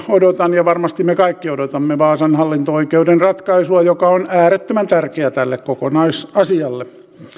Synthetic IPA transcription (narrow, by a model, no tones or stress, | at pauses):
odot̪ɑnjɑʋɑrmɑst̪immekɑikːiodot̪ɑmːeʋɑːsɑnhɑlːint̪ooikeudenrɑt̪kɑisuɑjokɑonæːɾet̪ːømænt̪ærkeæt̪ælːekkokonɑisɑsiɑlːe